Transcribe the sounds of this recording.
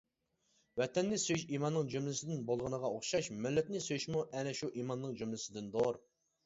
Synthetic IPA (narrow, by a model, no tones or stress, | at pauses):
wɛt̪ɛnːɪsøjʃimɑnːɨŋd͡ʒymlɪsɪd̪ɪnbolˠʁənəʁɑoχʃɑʃmɪlːɛt̪nɪsøjyʃmuʔɛnɛʃuʔimɑnːɨŋd͡ʒymlɪsɪd̪ɪnd̪oɾ